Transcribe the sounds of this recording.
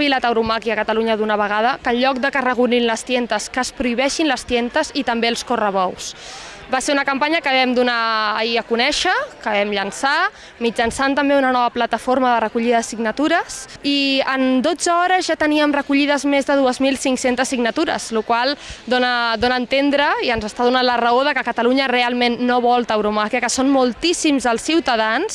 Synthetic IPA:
βilat̪əwɾumakiəkət̪əluɲəðunəβ̞əɣ̞að̞əkəlʎɔk̚d̪əkərəɣuninləst̪jɛnt̪əskəspɾuiβ̞ɛʃinləst̪jɛnt̪əzit̪əmbelˠskorəβɔws | baseunəkəmpaɲəkəβɛmd̪unaə̰iəkunɛʃəkəβɛmʎənsa | mid͡ʒənsant̪əmbeunənɔβəplət̪əfoɾməðərəkuʎiðəsiɡnət̪uɾəsiənd̪od͡zəɔɾəzʒat̪əniəmrəkuʎiðəzmezðəð̞uəzmilˠsiŋksent̪əsːiɡnət̪uɾə̰z̥lukwalˠd̪onəd̪onəːnt̪end̪ɾəiənzəst̪aðunanlərəoð̞əkəkət̪əluɲərealˠmenːoβɔlˠt̪əwɾumafiəkəsonmulˠt̪isimzəlˠsːiwt̪əðans

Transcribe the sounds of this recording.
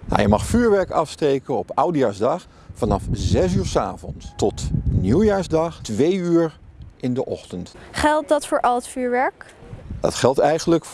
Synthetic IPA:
na̰jəmɑχfyːɹʋɛɹkɑfstejkənɔpawdijaːɹzdɑχ | fɑnɑfzɛsyːɹsaːvɔnstɔtnuwjaːɹzdɑχtʋejyːɹʔɪndəʔɔχtəntχɛlˠt̚dɑtfʊːɹʔɑlˠətfyːɹʋɛɹk | dɑ̰tχɛlˠtɛjχənlək

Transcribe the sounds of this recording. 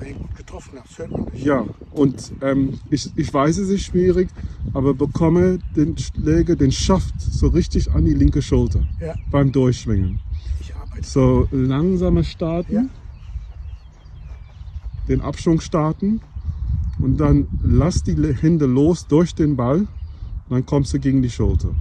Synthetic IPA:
uːtɡ̥ətɔfn | jaːʔʊntʔɛːmɪçɪçv̥aɪsɛsɪʃv̥iːʁɪçʔaːbɐbəkʰɔməd̥eːnʃlɛːɡɐdeːnʃaftz̥oːʁɪçtɪça̰ndiːlɪŋkəʃʊltɐb̥aɪmdʊɐçʃv̥ɪŋən | z̥oːlaŋzaːməʃtaɐtn̩ | d̥eːnʔa̰pʃv̥ʊŋʃtaɐtn̩ | ʔʊntd̥anlasd̥iːhɛndəloːsd̥ʊɐçd̥eːnbalʊnd̥ankʰɔmsd̥uɡeːɡŋ̩diːʃʊltʰɐ̰

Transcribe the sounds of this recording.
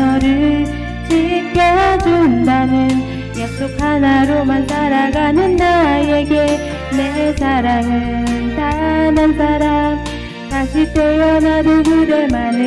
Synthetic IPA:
ʌɾɯɭ | t͡ɕʰikjʌɦad͡ʑundanɯn | jak̚s͈ok̚ʰhanaɾomansaɾaɡanɯnːaje̞ɡe | nesaɾaŋɯnsanansʰaɾam | taɕʰit͈ejʌnadɯɡɯɾemanɯ

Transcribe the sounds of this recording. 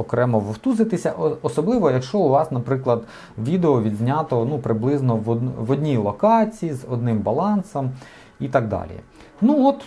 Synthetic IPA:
ɔkɾɛmɔʋɔwt̪uzɪt̪ɪsʲɐʔɔsɔblˠɪʋɔjɐkʃt͡ʃɔʊʋɑsnɐpɾɪklˠɐd̪ | ʋʲid̪eɔʋʲid̪ʲzʲnʲat̪ɔnupɾɪblˠɪznɔʋɔd̪ʋɔdʲnʲilˠɔkɑt͡sʲijizɔd̪̚nɪmbɐlˠɑnsɐm | it̪ɑɡ̚d̪ɑ̰lʲḭ | nuɔt̪

